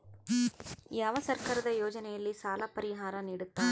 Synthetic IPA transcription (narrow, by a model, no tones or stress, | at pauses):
jaːʋɐsɐɾkaːɾɐd̪ɐjoːd͡ʒɐnɛjɐlːisaːlɐpɐɾiɦaːɾɐniːɽut̪ːaː